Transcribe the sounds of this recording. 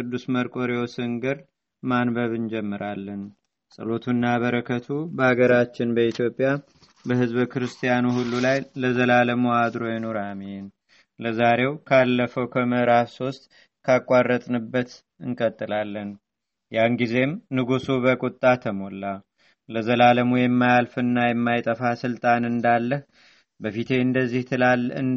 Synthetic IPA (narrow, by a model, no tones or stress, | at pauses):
kʰɨd̪ːusməɾkʼo̞ɾeosɨŋɡɨɾ | manbəβɨnd͡ʒɛmːɨɾalːən | sʼə̰lo̞t̪ʰunːaβəɾəkʰət̪ʰubəhaɡəɾat͡ʃːɪnbəit̪ʰjo̞pʼja | bəhɨzβkʰɨɾɨst̪ʰijanuhulːulajləzəlaləmuad̪ɾo̞jɛno̞ɾamɛn | ləzaɾe̞wkʰalːəfəwkʰəməɨɾafso̞st̪ʼ | kʰakʼːarːət̪ʼnɨbːət̪ | ɨŋkʼət̪ʼːɨlalːən | jaŋɡize̞mnɨɡusuβəkʼut̪ʼːat̪ʰəmolːa | ləzəlaləmujɛmːajalfɨnːajɛmːajt̪ʼəfasɨlt̪ʼanɨnd̪alːəh | bəfit̪ʰe̞ɨnd̪əzːih̪ʰɨaɨ